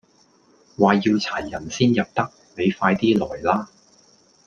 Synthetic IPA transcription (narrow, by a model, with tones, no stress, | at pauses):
waː˨ji˧wt͡sʰaː˨˩jjɐ˨˩nsiː˥njɐ˨p̚t̪ɐ˥k̚me˨˧jfaː˧jt̪iː˥lɔː˨˩jlaː˥